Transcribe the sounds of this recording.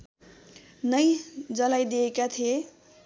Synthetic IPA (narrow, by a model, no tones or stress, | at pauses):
nʌjd͡zʌlajd̪iekat̪ʰie